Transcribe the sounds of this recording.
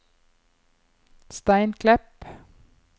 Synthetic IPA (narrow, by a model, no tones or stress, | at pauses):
st̪æɪnkʰlɛp